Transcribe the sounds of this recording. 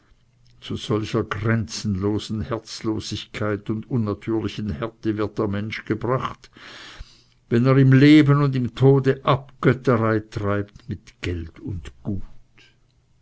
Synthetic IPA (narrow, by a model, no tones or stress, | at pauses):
t͡suz̥ɔlçɐɡʁɛnt͡sn̩loːzn̩hɛɐt͡sloːzɪçkʰaɪtʊndʊnːatʰyːɐlɪçən̩hɛɐtəvɪɐt̚d̥eːɐmɛnʃɡ̥əbʁaχt | vɛneːʁɪmleːbənʊndɪmtʰoːdəʔapɡ̥œtəʁaɪtʁ̥aɪp̚tmɪtɡ̥ɛltʊndɡ̥uːt